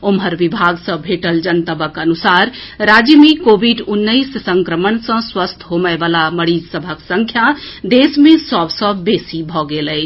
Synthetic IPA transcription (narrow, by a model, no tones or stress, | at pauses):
omɦəɾʋibʱaɡsə̃bʱeʈəld͡ʒənt̪əbəkənusaɾɾad͡ʒəmekobʱiɖunːəɪssə̃ŋkɾəmənsə̃swəst̪ʰɦoməebalaməɽid͡ʒsəbʱəksə̃ŋkʰjad̪esmẽsəbsə̃besibʱɔɡelə